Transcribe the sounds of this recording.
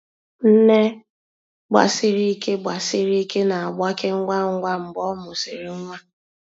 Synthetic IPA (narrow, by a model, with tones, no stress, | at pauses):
n̩˦ne˦ | ɡ͡ba̰˨sɪ˨ɾi˦i˦ke˦ɡ͡ba˨sɪ˦ɾi˦i˦ke˦na˨a˨ɡ͡bʷa˦ke˦ŋ̩˦ŋʷa˦ŋ̩˦ɡʷa˦m̩˨bɔ˦mʊ˨si˨ɾɪ˨ŋ̩˦ŋʷa˦